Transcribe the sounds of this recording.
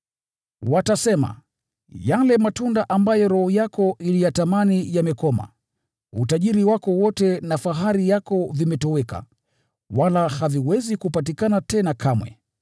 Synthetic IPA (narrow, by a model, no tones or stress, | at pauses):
watasɛma̰ | jalɛmatundaʔambajɔɾɔhɔjakɔʔilijatamanijamɛkɔma̰ | utaʄiɾiwakɔwɔtɛnafaɦaɾijakɔvimɛtɔwɛka̰ | walahaviwɛzikupatikanatɛnakʰamwɛ̰